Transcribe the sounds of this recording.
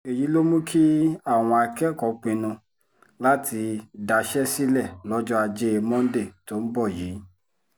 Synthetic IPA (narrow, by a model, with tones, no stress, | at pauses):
e˨ji˨˦lo˦mũ˦kʰi˦a˦˨w̃ɔ̃˧a˧kɛ˦˨kɔ˨˦k͡pĩ˧nũ˧ | la˦ti˧da˧ʃɛ˦si˦lɛ˦˨lɔ˦d͡ʒɔ˦a˧d͡ʒe˦e˧mɔ̃˦n̩˦de˦˨to˦n̩˦bɔ˦˨jeː˨˦